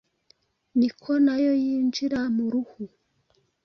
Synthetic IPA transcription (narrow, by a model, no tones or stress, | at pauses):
nikʰonajojiːnd͡ʒiɾamuɾuhu